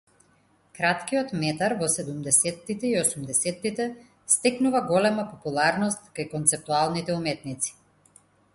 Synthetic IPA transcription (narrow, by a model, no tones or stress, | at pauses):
kɾat̪kijɔt̪mɛt̪aɾvɔsɛd̪umd̪ɛsɛt̪ːit̪ɛiɔsumd̪ɛsɛt̪ːit̪ɛ | st̪ɛknuvaɡɔlɛmapɔpulˠaɾnɔst̪kajkɔnt̪sɛp̚t̪ualˠnit̪ɛumɛt̪nit̪si̥